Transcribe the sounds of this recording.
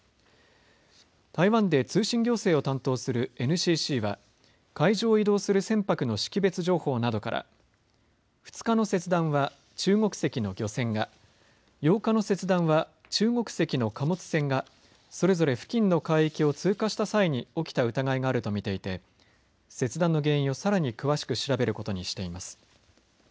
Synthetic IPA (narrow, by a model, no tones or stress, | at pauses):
t̪aiβãnd̪e̞t͡sɨːɕĩŋɡʲo̞ːse̞ːo̞t̪ãnt̪o̞ːsɨɾɯ̟e̞nɯ̟ɕiːɕiːβa̰ | kaiʑo̞ːid̪o̞ːsɨɾɯ̟sẽ̞mpakɯ̟no̞ɕi̥kʲibe̞t͡sɨʑo̞ːho̞ːnad̪o̞ka̰ɾʔa̰ | ɸɯ̟̥t͡sɨ̥kano̞se̞t͡sɨd̪ãɰ̃βa | t͡ɕɨːŋo̞kɯ̟̥se̞kʲino̞ɡʲo̞sẽ̞ŋɡa | jo̞ːkano̞se̞t͡sɨd̪ãβa | t͡ɕɨːŋo̞kɯ̟̥se̞kʲino̞kamo̞t͡sɨ̥sẽ̞ŋɡa | so̞ɾe̞zo̞ɾe̞ɸɯ̟̥kʲĩnːo̞kaiikʲio̞t͡sɨːkaɕi̥t̪asaiɲ̟io̞kʲi̥t̪aɯ̟t̪aɡaiɡaːɾɯ̟t̪o̞mʲit̪e̞it̪e̞ | se̞t͡sɨd̪ãnːo̞ɡẽ̞ɰ̃ĩo̞saɾaɲ̟ikɯ̟βaɕi̥kɯ̟ɕiɾabe̞ɾɯ̟ko̞t̪o̞ɲ̟iɕi̥t̪e̞imasɨ̥